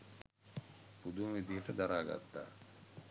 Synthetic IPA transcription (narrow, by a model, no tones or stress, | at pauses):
pud̪umʋid̪iɦəʈəd̪aɾaːɡa̰t̪ːa̰ː